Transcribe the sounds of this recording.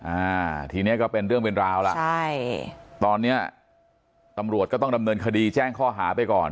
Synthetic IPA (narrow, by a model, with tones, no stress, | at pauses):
ʔaː˧˩t̪ʰiː˧ni˦˥ɐkɔː˥˩pe˧nɾɯ˥˩əŋpe˧nɾaː˧wla̰˨t͡ɕa˥˩jt̪ɔː˧nːi˦˥ɐ | t̪a˧mɾu˨˩ət̪̚kɔ˥˩t̪ɔ˥˩ŋda˧mnɤː˧nkʰa˧diː˧t͡ɕɛː˥˩ŋkʰɔː˥˩ɦaː˩˦pa˧jkɔ̰ː˨˩n